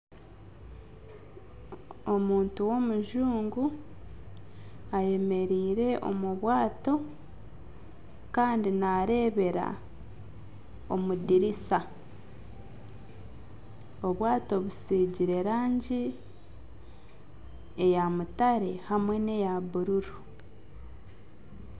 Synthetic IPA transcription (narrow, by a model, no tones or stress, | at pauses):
omuːntuwo̞muʒuːŋɡu | aje̞me̞ɾiːɾe̞ʔo̞̰muβwaːto̞ | kaːndinaɾe̞ːβe̞ɾa̰ | o̞mudiɾisa | o̞βwaːto̞βusiːɟiɾe̞ɾaːɲɟi | ejamutaɾe̞hamwe̞ne̞jaβuɾuɾu